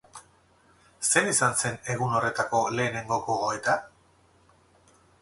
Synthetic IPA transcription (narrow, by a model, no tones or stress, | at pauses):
se̞nisanse̞ne̞ɣ̞uno̞re̞t̪ako̞le̞ːne̞ŋɡo̞ɣoɣo̞et̪a